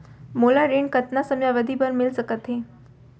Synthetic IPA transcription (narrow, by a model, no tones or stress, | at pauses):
molaɾeɳkət̪nasəmjaʋəd̪ʱibəɾmilsəkət̪ɦe